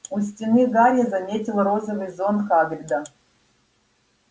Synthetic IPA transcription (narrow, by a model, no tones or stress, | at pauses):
usʲtʲinɨɣaɾʲjɐzɐmʲetʲilˠɐɾozəvɨjzonkaɡrʲd̪a